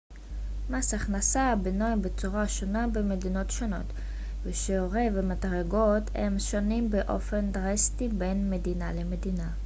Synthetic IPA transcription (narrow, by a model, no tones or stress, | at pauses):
masaχnasabenojbet͡suʁaʃonabeme̞dino̞tʃono̞̰t | veʃeoʁevemadʁaɡo̞themʃonimbeʔo̞̰fe̞ndʁestibe̞nme̞dinale̞me̞dina